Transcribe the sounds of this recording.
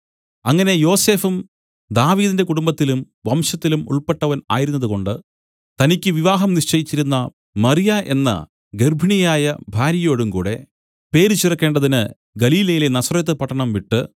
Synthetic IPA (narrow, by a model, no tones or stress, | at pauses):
ɐŋːɐne̞jo̞ːse̞ːfum | d̪aːʋiːðinde̞kuɽumbɐt̪ːilum | ʋɐmɕɐt̪ːilumṵɭpe̞ʈːɐʋɐna̰ːjiɾunːɐðuko̞ɳɖɨ | t̪ɐnikʲːɨʋiʋaːɦɐmniʂt͡ɕɐjit͡ɕːiɾunːɐ | mɐrijaʔe̞nːɐ̰ | ɡe̞rbʱiɳijaːjɐbʱaːɾjɐjo̞ːɽumkuːɽe̞ | pe̞ːɾit͡ɕːirɐkːe̞ːɳɖɐðinɨ | ɡɐliːlɐjilenɐsrɐjɐt̪ːɨpɐʈːɐɳɐmʋiʈːɨ